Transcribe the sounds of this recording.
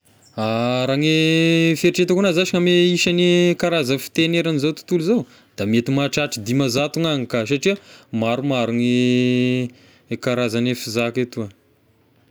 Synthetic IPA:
aɾaŋefeɾiʈ͡ʂet̪akunazaʃiŋameiʃanekaɾazəfi̥t̪eneɾanizowt̪u̥t̪uluzow | d̪̥amet̪imaʈ͡ʂaʈ͡ʂid̪imazat̪uŋaŋikas̬aʈ͡ʂiamaɾumaɾuŋe | kaɾazanefizaket̪ua

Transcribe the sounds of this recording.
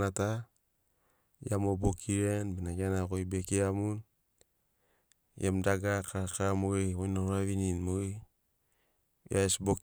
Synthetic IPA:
nata | jamobokʰiɾenbenaɡanakojbekiamun | jemdaɡakakamoeojnoɾaβininmo | jaesbok

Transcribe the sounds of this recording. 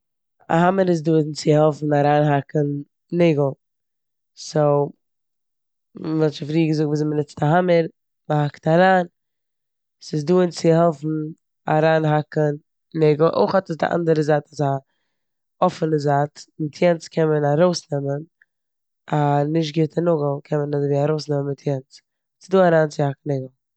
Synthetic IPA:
a̰ɦaməɾɪs̬duːənt͡sɪhɛlˠfn̩aɾaːnɦakən | nɪɡl̩ˠ | so | vɛtt͡ʃɪfɾiːɡəzʊk̚tviːzɪmənɪt͡staɦaməɾ | məhaktaɾaːn | sɪsduːənt͡sɪhɛlˠfn̩ | a̰ɾaːnɦakən | nɛɡl̩ˠʔo̰ɪχɔtəs̬dɪ̰ʔa̰ndəɾəzaːtasa | ɔfənəzaːtmɪtʰjɛnt͡skʰɛnmənaɾoʊsnɛmən | anɪʃ̬tɡɪtʰənʊɡl̩ˠkʰɛnmənazviaɾoʊsnɛmənmɪtʰjɛnt͡s | sɪzduːaɾaːnt͡sɪhak̚n̩ɛɡl̩ˠ

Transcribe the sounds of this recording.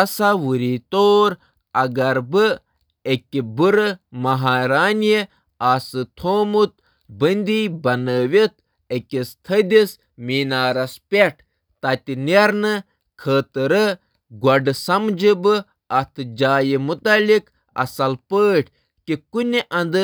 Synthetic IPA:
ɐsawuɾiːt̪oːɾ | ɐɡɐɾbɨ | ekʲibɨɾəmɐɦaːɾaːnji | asɨt̪ʰoːmut̪̚ | bənʲd̪iːbɐnəːʋit̪̚ʰ | ekʲist̪ʰəd̪is | miːnaːɾɐspʲeʈʰ | t̪ɐt̪ʲineɾnɨ | kʰəːt̪ɨɾə | ɡɐɖɨsɐmd͡ʒɨbɨ | ɐt̪ʰɨd͡ʒaːjimut̪ɐlik | ɐ̰sɐlpəːʈʰ | kikunʲiʔɐ̃nd̪ɨ

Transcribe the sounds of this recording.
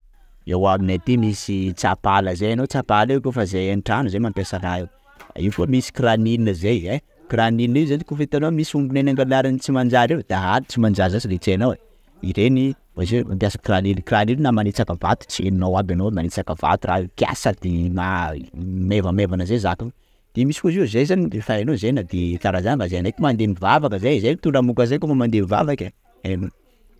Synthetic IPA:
ewaminat̪imisit͡sapaləzejanot͡sapalewkofəzeanʈ͡ʂanuzemampʲasanae | a̰ikuəmisi̥kiɾaniinəzeje | kiɾanininizanikufent̪anomisumbunenaŋɡanaɾanit͡simand͡ʒaɾewd̪̥aɦalit͡simand͡ʒazasiret͡senowe | iɾeni | vazema̰mpjasakkiɾanilikiɾanilinamanet͡sakəva̰t̪u̥t͡sieninawabʲanowmanet͡sakəva̰t̪ura̰kia̰sad̪̥ina | mevəmevanəzezaku | d̪̥emisikuzizejzanirefaanozenad̪et̪aɾazanvazeanakimand̪enivavakəzezet̪uɳɖ͡ʐamukazekumamand̪emiva̰vaka | eno

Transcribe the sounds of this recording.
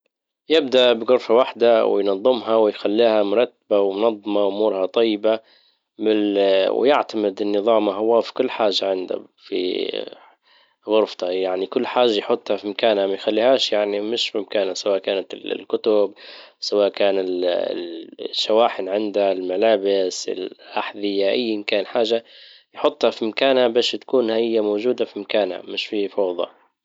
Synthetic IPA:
jɪb̚d̪aʔbɪɣʊɾfawaħd̪awɪ̰jnɑðˤːɨmɦawɪjxalːiːhamʊɾˤɑt̪ːabawmʊnɑðˤːɑmɑʔʊmuːɾhɑt̪ˤɑjːɪba | mɪw̰jɪʕt̪amɪd̪ɪnːɨðˤɑːmaɦʊwaːfi̥kʊlːħaːʒːaʕɪnd̪a̰ | fḭ | ɣʊɾft̪ɑjaʕnikʊlːħaːʒːajħʊt̪ˤːhɑfimakaːnhamajxalːiːhaːʃjaʕnimɪʃfimakaːnasawaːʔkaːnat̪ɪ̰llkʊt̪ʊbsawaːʔkaːnɪlɪ̰ʃːawaːħɪnʕɪnd̪aɪlmalaːbɪsɪ̰lʔaħd̪ɪjaʔajːɪmkaːnħaːʒa | jħʊt̪ˤːhafimakaːnhabeːʃt̪ḁkuːnhaʔɪjːamoːʒuːd̪afimakaːnha̰mɪʃfiːfɑwðˤɑ̰

